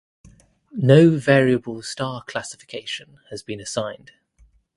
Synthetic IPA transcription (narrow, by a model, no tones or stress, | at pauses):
nəʊvɛːɹiəbəlˠstɑːkʰl̥asɪ̥fɪ̥kʰeɪʃə̃n | əzbĩnəsãɪ̃nd̥